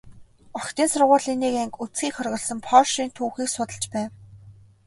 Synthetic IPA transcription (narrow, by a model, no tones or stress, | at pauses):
ɔkt̪iːnsʊrʁʊːɮiniːkæŋkut͡sɡiːkχɔrɣɞ̆ɮsə̆mpʰɔʃiːnt̪ʰuːxiːksʊt̪ə̆ɬt͡ɕpæːw